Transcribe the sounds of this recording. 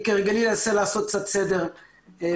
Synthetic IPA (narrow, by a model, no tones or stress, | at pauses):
keʁɡalilaselaːsot̪̚t͡satt͡sed̪eʁ